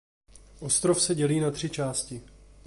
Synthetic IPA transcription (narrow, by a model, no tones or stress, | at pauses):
ʔo̞st̪ɾofsɛɟɛliːnat̪r̝̥ɪt͡ʃaːscɪ